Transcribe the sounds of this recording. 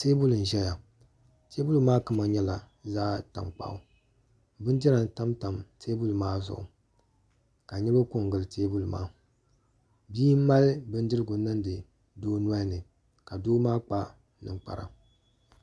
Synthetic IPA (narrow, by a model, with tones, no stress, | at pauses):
teː˦bu˦lɨ˨n̩˨ʒɛ˦ja˨ | te˦bu˦lɨ˨maː˦kɨ˦ma˨ɲɛ˦la˨ | zaː˦ta̰˨mk͡pa̰˦˨ʔʊ˨ | bɨ˦n˦dɛ˦a˨n˨ta˦mta˨mtʰeː˦bu˦lmaː˦zʊ̰˨ʔʊ̰˨ | ka˨ɲɛ˦lo˦ko˦ŋ˨ɡɨ˦˨lɨ˨teː˦bu˦lɨ˨ma̰ː˦ | biː˦m˦ma˦lɨ˦bɨ˦n˦dɨ˦ɾɨ˦ɡʊ˨˦nɨ˦ndɨ˨ | doː˦nu˦a˦nɨ˨ | ka˨doː˦maː˦k͡pa˦ | nɨ̰˨ŋk͡pa̰˨ɾa̰˨